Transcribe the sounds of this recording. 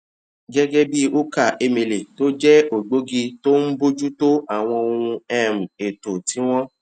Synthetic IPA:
ɡɛ˦ɡɛ˦bi˦o˦ka˦˨ʔe˧mĩ˧le˨to˦d͡ʒɛ˦o˨ɡ͡bo˨˦ɡi˧to˦n̩˦bo˦d͡ʒu˦to˦a˨w̃ɔ̃˧o˧ũ˧ɛ˦˨m̩̃˨e˨to˨ti˨˦w̃ɔ̃˦

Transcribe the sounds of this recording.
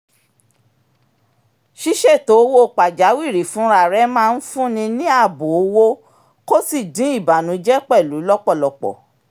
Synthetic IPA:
ʃi˦ʃɛ˦˨to˨˦wo˦˨k͡pa˨d͡ʒa˨˦wi˦˨ɾi˨fũ˨˦ɾa˦˨ɾɛ˦mãː˦˧n̩˦fũ˦nĩ˧nĩ˦a˦˨bo˨o˦˧wo˦ | ko˦si˦˨dĩ˨˦i˦˨ba˨nũ˨˦d͡ʒɛ˦k͡pɛ˦˨lu˨˦lɔ˦k͡pɔ˦˨lɔ˨k͡pɔ̰˨

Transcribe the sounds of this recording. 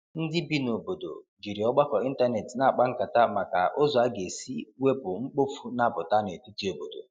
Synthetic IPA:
n̩˦dɪ˦bi˦no˨bo˨do̰˨d͡ʒi˨ɾi˨ɔ˦ɡ͡ba˦kɔ˨i˦n̩˦ta˦ne˨tna˨a˨k͡pa˦ŋ̩˦ka˨ta˦ma˨ka˨ʔʊ˦zɔ˨a˦ɡe˨si˦we˦bʊ˨ŋ͡m̩˦k͡po˦fu˦na˦bʊ˨ta˦ne˨tu˦ti˦o˨bo˨do̰˨

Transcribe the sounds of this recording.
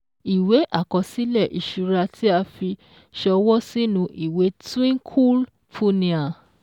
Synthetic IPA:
i˨we˨˦ʔa˦˨kɔ˧si˦lɛ˦˨ʔi˨ʃu˧ɾa˧tʰi˦a˧fi˧ | ʃɔ˧wɔ˦si˦nũ˧ʔi˨we˨˦twĩ˦kʰu˦l | fu˦nĩ˧a˨

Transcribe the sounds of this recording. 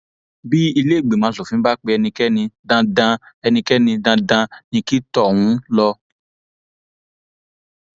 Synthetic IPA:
bi˦i˧le˦˨ɡ͡be˨mãː˨˦˧su˨fĩ˨˦ba˦k͡pe˧ɛ˧nĩ˧kɛ˦nĩ˧dã˧dã˧ɛ˧nĩ˧kɛ˦nĩ˧dã˧dã˧nĩ˧ki˦tɔ˦˨wũ˨˦lɔ˧

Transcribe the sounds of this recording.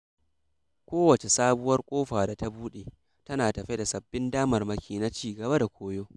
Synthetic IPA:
kʷoː˦wɐ˨t͡ʃe˨saː˦bʊ˦wɐ˦rkʷʼoː˦ɸaː˨da˨ta˦buː˦ɗeː˨ | tɐ˦naː˨tɐ˨ɸe˦da˨sɐ˨bːɪ˦ndaː˦mɐ˨rmɐ˦kʲiː˨na˦t͡ʃiː˦ɡɐ˨ba˦da˨kʷʰoː˦joː˦

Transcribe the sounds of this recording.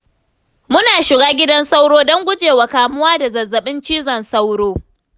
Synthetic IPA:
mʊ˦naː˨ʃɪ˨ɡaː˦ɡʲɪ˦dɐ˦nsa˦wɽoː˦dɔ˦ŋɡʷʊ˦d͡ʒeː˨wa˨kaː˨mʊ˦waː˦da˨zɐ˨zːɐ˨ɓɪ˦nt͡ʃiː˦zɔ˨nsa˦wɽoː˦

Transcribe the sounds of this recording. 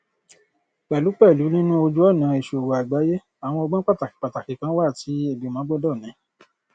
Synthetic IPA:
k͡pɛ˨lu˨˦k͡pɛ˦˨lu˨˦nĩ˦nũ˦o˧d͡ʒu˦ɔ˦˨nã˨˧e˨ʃo˨wo˨a˨ɡ͡ba˨˦je˦ | a˨w̃ɔ̃˧ɔ˧ɡ͡bã˦k͡pa˦˨ta˨ki˨k͡pa˨ta˨ki˨kã˨˦wa˦˨ti˨˦e˦˨bi˨˦mã˨˦bɔ˦dɔ˦˨nĩ˨˦

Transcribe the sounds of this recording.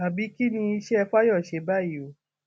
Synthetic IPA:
a˨bi˨˦ki˦nĩ˧i˧˦ʃɛ˦˧fa˦jɔ˦˨ʃe˨˦ba˦˨jo˨˦

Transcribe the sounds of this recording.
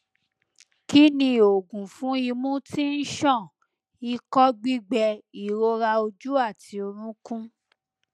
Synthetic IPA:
ki˦nĩ˧o˨ɡũ˨fũ˦i˧mũ˦ti˦n̩˦ʃɔ̃˦˨ | i˧kɔ˦ɡ͡bi˦ɡ͡bɛ˧i˨ɾo˧˦ɾa˧o˧d͡ʒu˦a˦˨ti˧˦o˧ɾ̃ũ˦kũ˦

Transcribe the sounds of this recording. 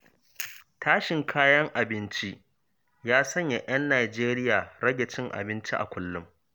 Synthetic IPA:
tʰaː˦ʃɪ˨ŋkʰaː˦jɐ˦ŋʔa˨bɪ˦nt͡ʃi˦ʔ | jaː˦sɐ˦ɲja˨ʔɐ˦nːaː˨d͡ʒeː˦ɾɪ˦jaː˨ɽɐ˦ɡʲe˨t͡ʃɪ˦ŋʔa̰˨bɪ˦nt͡ʃi˦ʔa̰˨kʷʊ˦lːʊ˦m

